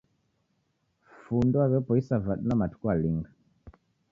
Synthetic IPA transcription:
fundɔaβjɔpɔisavaɗnamatu̥kwaliŋɡa

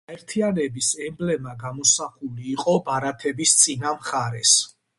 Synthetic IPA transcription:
aɛɾt̪ʰianɛbisɛmblɛmaɡamɔsaχuliːqʼɔbaɾat̪ʰɛbist̪sʼinamχaɾɛs

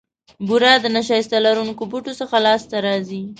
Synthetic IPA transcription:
buɾɑd̪ənaʃɑjɪst̪alaɾunkobuʈosəxalɑst̪aɾɑzi

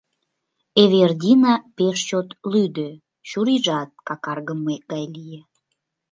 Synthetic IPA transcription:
eβerd̪ʲinɑpeʃt͡ɕot̪lyd̪ø | ɕuɾiʒɑt̪̚kɑkɑrɣəmːeɡɑjlije

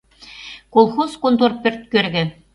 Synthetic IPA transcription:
kolˠxoskont̪orpʲø̆rt̪̚kørɡʲɘ̆

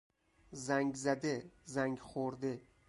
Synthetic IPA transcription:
zaŋʲzad̪ɪzaŋʲχoɾd̪ɪ

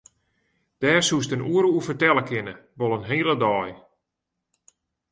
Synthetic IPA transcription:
d̥ɛːrsustənʔuəɾuufərtɛləkʰɪnəʋolˠənɦeːəlˠədɔːj

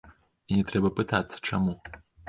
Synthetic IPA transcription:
inʲɛt̪ɾɛbɐpɨt̪at̪sːɐ̥t͡ʂamu

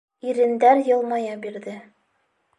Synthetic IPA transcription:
iɾɘ̆nd̪æɾjɤ̆lˠmɑjɑbiɾðɘ

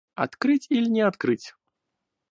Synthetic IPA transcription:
a̰t̪kɾɨt͡sʲilʲnʲɛat̪kɾɨt͡sʲ

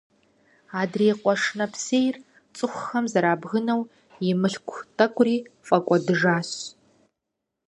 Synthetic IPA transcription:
aːdreːqʷʼɔʂnɐpʰseːjr | t͡sʼɨxʷxɐmzɐɾaːbɣɨnɐw | jɪmɨɬkʷʰtʰʼɐkʷʼʊriːfʼɐkʷʼɔdɨʐaːɕ

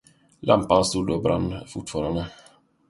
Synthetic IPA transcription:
lʔa̰mpanst̪uːd̪obɾa̰nːfʊʈfɑːɾand̪ə

